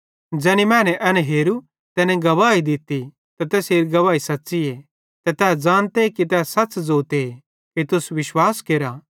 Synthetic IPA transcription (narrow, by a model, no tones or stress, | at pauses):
d͡ʒɛːnimɛ̃ːnɛʔɐnɛɦeːɾu | t̪ɛːnɛ̃ɡɐʋaːid̪ɪt̪i | t̪ɐt̪ɛːseːɾiɡɐʋaːisɐtːsie | t̪ɛt̪ɛːd͡zãːnt̪ekit̪ɛːsɐtːt͡ʃd͡zoːt̪e | kit̪ʊsʋɪʃwaːskeːɾa